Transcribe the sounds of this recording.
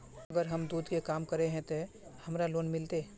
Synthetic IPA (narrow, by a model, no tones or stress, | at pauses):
əɡəɾɦəmd̪uːd̪kekaːmkəɾeɦɛ̃t̪e | hɐmɾaloːnmɪlt̪e